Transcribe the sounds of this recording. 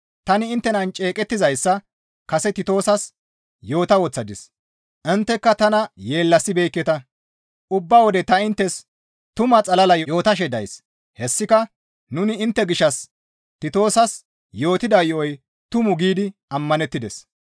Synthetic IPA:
t̪ɐnɪɪnt̪ːɛnɐnt͡ʃʼe̞ːkʼɛt̪ːɪzɐjsːɐ | kɐsɛt̪ɪt̪o̞ːsɐs | jo̞ːt̪ɐwɔt͡sːɐd̪ɪs | ʔɪnt̪ːɛkːɐt̪ɐnɐje̞ːlːɐsːɪbe̞ːkːɛt̪ɐ | ʔʊbːɐwɔd̪ɛt̪ɐɪnt̪ːɛs | t̪ʊmɐt͡sʼɐlɐlɐjjo̞ːt̪ɐʃ̬ɛd̪ɐjs | hɛsːɪkɐ | nʊnɪɪnt̪ːɛɡɪʃːɐs | t̪ɪt̪o̞ːsɐs | jo̞ːt̪ɪd̪ɐjɔɔj | t̪ʊmʊɡiːd̪ɪɐmːɐnɛt̪ːɪd̪ɛs

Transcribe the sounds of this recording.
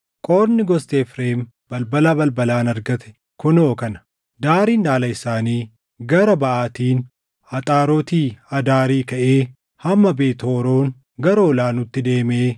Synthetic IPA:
kʼoːɾnɪɡɔst̪eːfɾeːm | b̥ɐlbɐlaːbɐlbɐlaːnɐɾɡɐt̪ɛ̥ | kʊnoːkɐnɐ̥ | d̪aːɾiːndaːlɐɪsaːniː | ɡɐɾɐbɐʔaːt̪iːn | ɐt̪ʼaːɾoːt̪iːɐd̪aːɾiːkɐʔeː | hɐmːɐbeːt̪oːɾoːŋ | ɡɐɾɐɔlaːnʊt̪ːɪd̪e̞ːmeː

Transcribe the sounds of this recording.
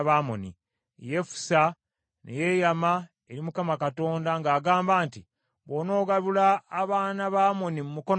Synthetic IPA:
βaːmo̰nḭ | je̞fu̥sa | nʔḛje̞jama | eɾimukamakato̞ːndaŋɡaːɡaːmbaːnti | βono̞ːɡaβulaːβaːnaβaːmo̞nimumuko̞

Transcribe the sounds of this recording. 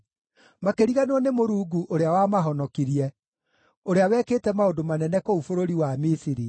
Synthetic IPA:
makeɾiɣanɔnemoɾuːɡuʔoɾeawamaɦɔnɔkiɾiɛ | oɾeawɛketɛmaodomanɛnɛkoufoɾoɾiwamisiɾi

